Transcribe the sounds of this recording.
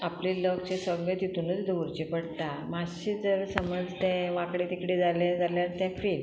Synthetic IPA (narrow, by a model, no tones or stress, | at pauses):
apliləkt͡ɕesəɡɭẽt̪it̪unət͡sd̪ʱəʋəɾt͡ɕipəɽt̪amaɕid͡zəɾsəməd͡zt̪ɛ̃ʋakɽet̪ikɽid͡zalẽd͡zaljaɾt̪ɛ̃fil